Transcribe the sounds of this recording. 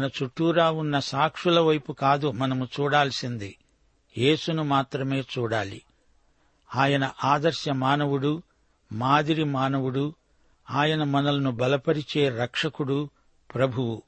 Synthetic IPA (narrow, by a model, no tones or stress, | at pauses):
nɐt͡ʃuʈːuːɾaːunːɐsaːkʂulɐʋɐjpukaːd̪umɐnɐmut͡ʃuːɽaːlsind̪i | je̞ːsunumaːt̪ɾɐme̞ːt͡ʃuːɽaːlḭ | aːjɐnɐʔaːd̪ɐɾʃjɐmaːnɐʋuɽu | maːd̪iɾimaːnɐʋuɽu | aːjɐnɐmɐnɐlɐnubɐlɐpɐɾit͡ʃeːɾɐkʂɐkuɽu | pɾɐbʱuʋu